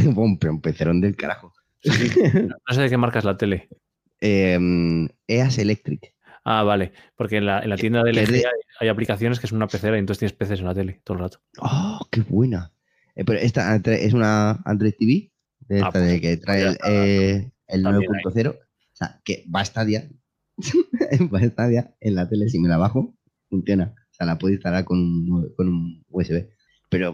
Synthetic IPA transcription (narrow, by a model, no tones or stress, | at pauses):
bompeɾompeθeɾond̪e̞lkaɾaxo | onos̬eðeke̞maɾkazlat̪e̞le̞ | eme̞ase̞le̞k̚t̪ɾik | a̰βale̞po̞ɾkenlaḛnlat̪je̞nd̪aðeleeajajaplikaθjo̞nes̬keso̞nunapeθeɾajenoθet̪jenespeθe̞senlat̪e̞le̞t̪oðlrat̪o̥oke̞βwena | peɾoʔe̞st̪at̪ɾeʔe̞sunaa̰nd̪ɾojt̪iβi | d̪eet̪aðeeket̪ɾaee | elnweepunt̪o̞θe̞ɾo̞ | sea̰ke̞baest̪aðja | baest̪aðjae̞nlat̪e̞le̞s̬ime̞laβaxo | fun̟θjo̞naosealapweðist̪alaɾko̞nunko̞nunueseβe̞ | pe̞ɾo̞